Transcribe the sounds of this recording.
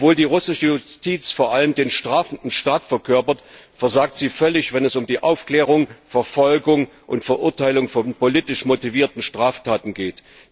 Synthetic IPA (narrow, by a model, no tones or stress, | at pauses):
ɔpv̥oːldiːʁʊsɪʃəjʊstiːt͡sfoːɐʔaləmdeːnʃtʁ̥aːfn̩dn̩ʃtaːtfɛɐkʰœɐpɐtfɛɐzaːk̚tz̥iːfœlɪçv̥ɛnɛsʊmdiːʔa̰ʊfkl̥ɛːʁ̞ʊŋfɛɐfɔlɡʊŋʔʊntfɛɐʔʊɐtʰaɪlʊŋfɔnpoliːtɪʃmotiviːɐtn̩ʃtʁ̥aːftʰaːtn̩ɡeːt